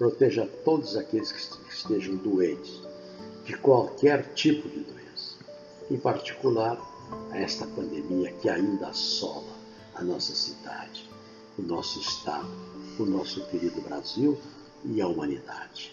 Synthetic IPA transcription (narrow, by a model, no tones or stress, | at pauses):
pɾot̪ɛʒɐt̪od̪ʊzakelɪskɪ̥kɪst̪eʒɐ̃w̃d̪uẽt͡ʃɪ̥s | d͡ʒɪkwawkɛɾt͡ʃipʊd͡ʒɪd̪oẽsɐ̥ | ẽpaɾt͡ʃi̥kulaɾ | ɐɛst̪ɐpɐ̃nd̪emiɐkɪaĩnd̪ɐsɔ̰lɐ | ɐ̰nɔsɐsid̪a̰d͡ʒɪ̥ | ʊnɔsʊɪst̪a̰d̪ʊʊnɔsʊkeɾid̪ʊbɾa̰ziw | ɪɐumɐ̃nid̪a̰d͡ʒɪ